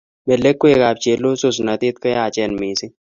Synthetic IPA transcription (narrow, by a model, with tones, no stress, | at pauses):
me˨le˦kːwe˦˨kaː˨b̚t͡ʃe˨˦lːo˦sʊ˨s̬nɐ˨t̪i˦t̪̚kə˦jaː˨t͡ʃɛ˨nmiː˨si˦